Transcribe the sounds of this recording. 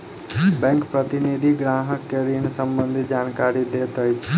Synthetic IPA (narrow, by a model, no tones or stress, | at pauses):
bɛ̃ŋkpɾət̪inid̪ʱiɡɾaɦəkːeɾinesəmbənd̪ʱid͡ʒankaɾid̪et̪əjt͡ʃʰe